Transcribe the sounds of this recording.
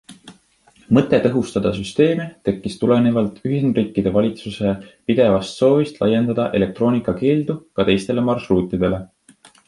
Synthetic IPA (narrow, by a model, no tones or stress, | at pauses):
mɤt̪ːˑe̞t̪ɤɦust̪ɑd̪̥ɑs̬yst̪e̞ːmit̪e̞kːist̪ule̞nevɑlt̪ˑyɦind̪riːkːˑid̪e̞vɑlʲit̪suse̞pid̪̥e̞vɑst̪so̞ːvist̪lʔɑjːe̞nd̪ɑd̪̥ɑʔe̞le̞k̚t̪ɾo̞ːnikːˑɑke̞ːld̪̥ukɑt̪e̞jst̪e̞le̞mɑrʃruːt̪ːˑid̪̥e̞le̞